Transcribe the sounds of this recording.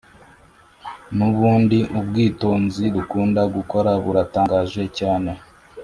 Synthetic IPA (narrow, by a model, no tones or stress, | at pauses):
nuβuːndiʔubɡiːto̞ːnziɾukuːndaɡuko̞ɾaβuɾataːŋɡaːʒe̞caːne̞